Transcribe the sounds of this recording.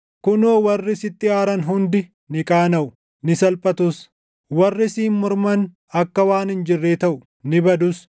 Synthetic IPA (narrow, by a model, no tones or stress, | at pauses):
kʊnoːwɐrːɪsɪt̪ːɪaːɾɐnɦʊnd̪ɪ | nɪkʼaːnɐʔʊ | nɪsɐlpʼɐt̪ʊs | wɐrːɪsiːnmʊɾmɐn | ɐkːɐwaːnɪnd͡ʒɪrːeːt̪ɐʔʊ | nɪbɐd̪ʊs